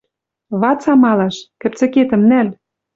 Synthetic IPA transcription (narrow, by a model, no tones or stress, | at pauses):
βɑt͡sɑmɑlɑʃkɘ̆p̚t͡sɘ̆ket̪ə̆mnæl